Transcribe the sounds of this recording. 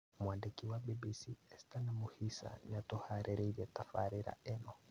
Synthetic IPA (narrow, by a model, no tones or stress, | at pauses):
mwandɛkiwabibisiɛstanamuhisa̰ɲatɔhaɾʔɛɾɛid͡ʒɛtafaɾiɾa̰ɛnɔ